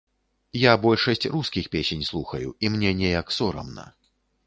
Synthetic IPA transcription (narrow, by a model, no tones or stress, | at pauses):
jabɔlʲʂɐsʲt͡sʲruskʲixpʲesʲenʲslˠuxɐjuimnʲɛnʲɛjɐksɔɾɐ̰mnɐ̰